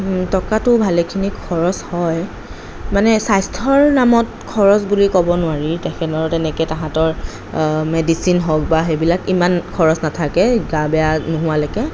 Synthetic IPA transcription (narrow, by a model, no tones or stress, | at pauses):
tɔkatʊbʱalɛkʰinikʰɔɹɔshɔj | manɛsajstʰɔɹnamɔt | kʰɔɹɔsbulikɔbɔnʊwaɹitakʰɛnɔɹtɛnɛkɛtãɦãtɔɹ | medisinɦɔk̚baɦejbilakimankʰɔɹɔsnatʰakɛɡabɛjanuɦʊwalɔkɛ